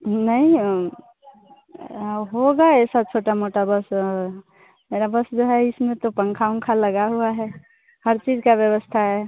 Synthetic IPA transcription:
nəɦĩ | ɦoɡaɛsat͡ʃʰoʈamoʈabəsɔɾ | meɾabəsd͡ʒoɦɛɪsmẽt̪opəŋkʰaũŋkʰaləɡaɦuaɦɛ | həɾt͡ʃid͡ʒkabjəbəst̪ʰaɦɛ

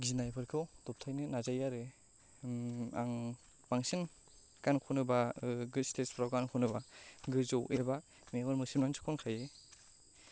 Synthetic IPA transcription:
ɡizinajbɯɾkʰɯwdɔp̚tʰajnɯnazajaɾɯ | a̰ŋ | baŋsɯn | kankʰɔnɯbaɡɯstʰespɾawɡankʰɔnɯbaɡɯzowʔeba | meŋɯɾmɯsɯnansʰɯ̥kʰɔnkʰaje

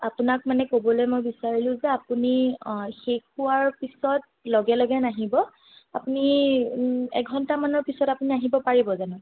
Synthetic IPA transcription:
apunak̚manɛkobɔlojmojbisaɹilʊ̃zɛapunixekuwaɹpisɔt̚ | lɔɡɛlɔɡɛnaɦibɔ | apuni | ɛ̰ɡʱɔntamanɔɹpisɔtapuniaɦibɔpaɹibɔzanɔ

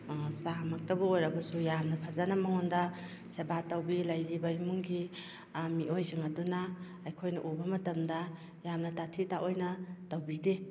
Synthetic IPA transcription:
samak̚tabɐojɾɐbɐsujamnɐpʰazanamaŋɔnda | sebatawbilajɾibaimuŋɡi | miojziŋadunaː | jkʰojnɐ̰ʔubɐmɐtɐmdɐ | jamnɐtatʰitaʔojnɐtawbide

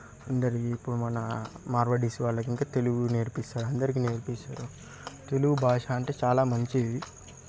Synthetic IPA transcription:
ɐnd̪ɐɾikiːpːuɽumɐnɐmaːɾʋɐɽisiʋaːɭːɐk̬iŋkaːt̪e̞luɡune̞ːɾpist̪aːɾuɐnd̪ɐɾik̬ine̞ːɾpisa̰ːɾu | t̪e̞luɡubʱaːʂaːɐɳʈe̞ːt͡ʃaːlaːmɐɲt͡ʃeʋi

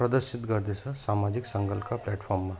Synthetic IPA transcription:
pɾɐd̪əɾʃit̪ɡɐɾd̪ʱesɐsaːmaːd͡ʒiksɐ̃ŋɡəlkaplɛːʈfʰɔːɾmːã

